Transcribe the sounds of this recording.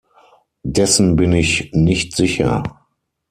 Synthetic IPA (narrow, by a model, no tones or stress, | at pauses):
dɛsn̩bɪnɪçnɪçtz̥ɪçɐ̰